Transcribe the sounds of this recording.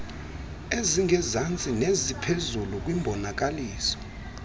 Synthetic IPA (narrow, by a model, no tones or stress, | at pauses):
eziŋʱɛzant͡sʼinezipʰezuluk̬ʼwimbʱɔnak̬ʼaliːsɔ̥